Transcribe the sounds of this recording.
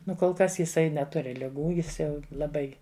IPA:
ˈnʊ koːlˠ ˈkɐs jɪˈsɐɪ nʲɛˈtʊrʲɪ lʲɪˈɡuː ˈjɪs ˈjɛʊ lˠɐˈbɐɪ

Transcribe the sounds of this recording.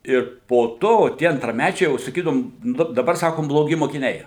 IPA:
ɪr poː ˈtoː tʲiɛ ɐntrɐˈmʲæt͡ʃʲɛɪ jɛʊ sɐˈkʲiːdɐʋʊm ˈnʊ dɐˈbɐr ˈsɑːkoːm blˠoːˈɡʲɪ moːkʲɪˈnʲɛɪ

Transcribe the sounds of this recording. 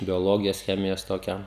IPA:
bʲoːˈlˠoːɡʲɪjoːs ˈxʲæːmʲɪjoːs toːˈkʲæː

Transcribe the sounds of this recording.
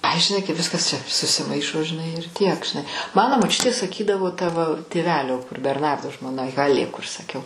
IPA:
ˈɐɪ ʒʲɪˈnɐɪ kɐɪ ˈʋʲɪskɐs ˈt͡ʃʲɛ sʊsʲɪˈmɐɪʃoː ʒʲɪˈnɐɪ ɪr ˈtʲiɛk ʒʲɪˈnɐɪ ˈmɑːnoː moːˈt͡ʃʲʊtʲeː sɐˈkʲiːdɐʋoː tɐ ʋɐ tʲeːˈʋʲæːlʲoː kʊr bʲɛrˈnɐrdoː ʒmoːˈnɐ ˈɣɑːlʲeː kʊr sɐˈkʲɛʊ

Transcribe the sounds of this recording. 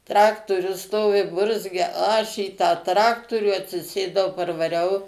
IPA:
ˈtrɑːktoːrʲʊs ˈstoːʋʲɪ ˈbʊrʲzʲɡʲɛ ˈɐʃ iː tɑː ˈtrɑːktoːrʲuː ɐtʲsʲɪˈsʲeːdɐʊ pɐrʋɐˈrʲɛʊ

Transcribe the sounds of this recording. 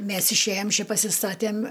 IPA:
ˈmʲɛs ɪʃʲˈeːjɛm ˈt͡ʃʲɪ pɐsʲɪˈstɑːtʲeːmʲ

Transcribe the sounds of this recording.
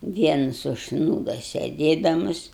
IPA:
ˈʋʲiɛnɐs ʊʃsˈnuːdoː sʲeːˈdʲeːdɐmʊs

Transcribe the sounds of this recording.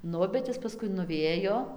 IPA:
ˈnʊ bʲɛt ˈjɪs pɐˈskʊɪ nʊˈʋʲeːjoː

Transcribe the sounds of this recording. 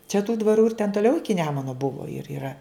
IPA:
t͡ʃʲɛ tuː dʋɐˈruː ɪr tʲɛn toːˈlʲɛʊ ˈɪkʲɪ ˈnʲæːmʊnoː ˈbʊʋoː ɪr iːˈrɐ

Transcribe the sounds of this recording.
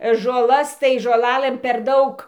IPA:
ʒoːˈlˠɐs tɐɪ ʒoːˈlˠɑːlˠɘm pʲɛr ˈdɐʊk

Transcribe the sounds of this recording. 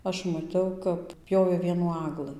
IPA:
ˈɐʃ mɐˈtʲɛʊ kɐp ˈpʲjoːʋʲeː ˈʋʲiɛnuː ˈɑːɡlˠɨ

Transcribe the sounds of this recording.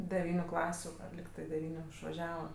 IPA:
dʲɛˈʋʲiːnʲʊ ˈklˠɑːsʲʊ ˈɐr lʲɪkˈtɜ dʲɛˈʋʲiːnʲʊ ɪʃʋɐˈʒʲæːʋɐ

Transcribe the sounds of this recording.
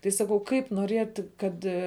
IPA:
tɐɪ ˈsɑːkɐʊ ˈkɐɪp noːˈrʲeːtʲ ˈkɐt

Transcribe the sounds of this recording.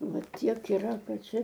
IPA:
ˈʋɐ ˈtʲiɛk iːˈrɐ ˈkɐt ˈt͡ʃʲɛ

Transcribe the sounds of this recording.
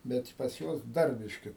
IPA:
ˈbʲɛt pɐs ˈjuɔs ˈdɐr ˈbʲɪʃʲkʲɪ

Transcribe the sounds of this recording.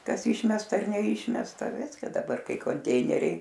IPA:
ˈkɐs ˈiːʃʲmʲɛstɐ ɐr nʲɛˈiːʃʲmʲɛstɐ ˈʋʲɪskɐ dɐˈbɐr ˈkɐɪ koːnʲˈtʲɛɪnʲɛrʲɛɪ

